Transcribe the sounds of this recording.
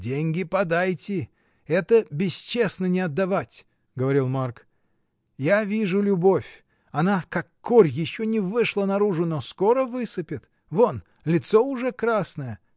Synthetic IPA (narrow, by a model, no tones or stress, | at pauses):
dʲenʲɡʲɪpɐd̪ajtʲɪ | ɛt̪əbʲɪst͡ɕesnənʲɪɐd̪ːɐvatʲ | ɡəvɐɾʲilˠmark | javʲiʐʊlʲʊbofʲ | ɐnakɐkːorʲjɪɕːonʲɪvɨʂlˠənɐɾuʐʊnoskoɾəvɨsɨpʲɪt̪ | von | lʲɪt̪soʊʐɛkɾasnəjə